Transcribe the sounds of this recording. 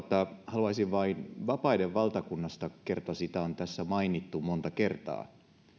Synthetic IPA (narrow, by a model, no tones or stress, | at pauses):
t̪ːɑhɑluɑisiʋʋɑinʋɑpɑideʋʋɑlt̪ɑkunːɑst̪ɑkert̪oɑsit̪æont̪æsːæmɑinit̪ːumont̪ɑkert̪ɑ̰ː